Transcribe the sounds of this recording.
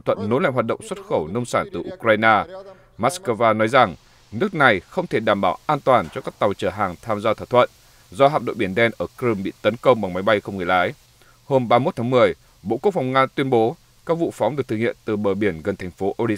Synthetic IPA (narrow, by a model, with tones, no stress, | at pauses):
t̪ʰə˧˨nːo˨˦la̰˧˨ŋɦwaː˨˩ɗə̰˧˨wŋ͡mswə˦˥t̚xə˧˩wnə˧wŋ͡msaː˧˩nt̪ɨ˨˩ʔu˧˥kɾaː˧jnaː˧ | maː˦˥tskə˧vaː˧nɔ˨˦jza˨˩ŋ | nɨ˦˥ək̚na˨˩jxə˧wŋ͡mt̪ʰe˧˩ɗaː˧˩mɓaː˧˩wʔaː˧nt̪waː˨˩nt͡ɕɔ˧kaː˦˥k̚t̪a˨˩wt͡ɕəː˧˩ɦaː˨˩ŋt̪ʰaː˧mzaː˧t̪ʰə˨˧˩t̪ʰwə̰˧˨n | zɔ˧ha̰ː˧˨pɗo̰˧˨ɓi˧˩ənɗɛ˧nʔəː˧˩kɾɨ˧mɓḭ˧˨t̪ə˨˦nkə˧wŋ͡mɓa˨˩ŋma˨˦jɓa˧jxə˧wŋ͡mŋɨ˨˩əjlaː˨˦j | ho˧mɓaː˧mo˦˥t̪ʰaː˨˦mɨ˨˩əj | ɓo̰˧˨ku˦˥ək̚fa˨˩wŋaː˧t̪wi˧ənɓo˨˦ | kaː˦˥k̚vṵ˧˨fɔ˨˦wŋ͡mɗɨ˨˩k̚t̪ɨ˨˩ŋḭ˧˨ənt̪ɨ˨˩ɓəː˨˩ɓi˧˩ənɣə˨˩nt̪ʰɛ˨˩ŋ̟fo˨˦ʔo˧l